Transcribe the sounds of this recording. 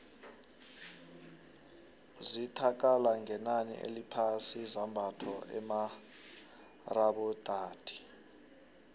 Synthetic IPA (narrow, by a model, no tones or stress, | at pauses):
zitʰak̬ʼalaŋɛnanḭʔḛlipʰasizambʱatʰɔʔɛ̰ma | raɓɔd̥ʱaːd̥ʱi̥